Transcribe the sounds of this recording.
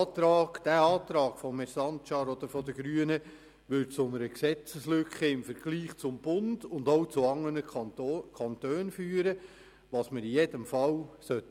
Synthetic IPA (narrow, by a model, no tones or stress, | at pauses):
tɾɑːɡ̥d̥æːɑːt̪ɾɑːɡ̥fɔmɛɾsɑntt͡ʃɑːɾɔd̪əɾfɔd̪əɡ̥ɾyənə | ʋʏtt͡sʊnəɾəksɛt͡səslʏkχəɪmfəɾɡ̥liːχt͡sʊmbʊnd̥ʊndowt͡sʊɑŋːənəkʰɑntøːnfyːəɾə | ʋɑːsməɾijedəmfɑwsœtː